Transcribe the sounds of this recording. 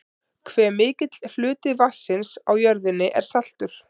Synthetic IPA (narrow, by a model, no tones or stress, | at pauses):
kʰvɛːmɪːcɪt̪ll̥ʏːt̪ɪvasːɪnsawjœɾðɪnːɪʔɛ̰ɾ̥sal̥t̪ʏɾ̥